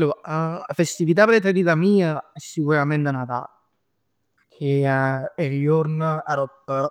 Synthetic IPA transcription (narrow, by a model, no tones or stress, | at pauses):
lːuːɾafest̪ivit̪̬apɾefeɾiːt̪amiːaɛsːikuɾament̪enat̪a̰ːl | kʰeeɾjoɾnaɾɔt̪ː